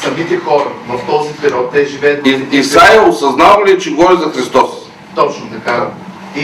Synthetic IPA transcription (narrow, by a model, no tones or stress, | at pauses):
sɐmnit̪ɛxɔɾɐvɐft̪ɔzipɛɾɔt̪ːɛʒivɛət̪isajəosɐznavɐlit͡ʃɛɡɔɾizɐxɾist̪ɔs | t̪ɔt͡ʃnot̪ɐka